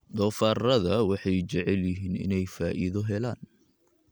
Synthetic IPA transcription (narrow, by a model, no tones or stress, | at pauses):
d̪ɔːfaːrɐðɐwɑħɑjt͡ʃɛʕɛljɪɦiːnɪ̰nɛjfaːʔiðɔɦɛlaːn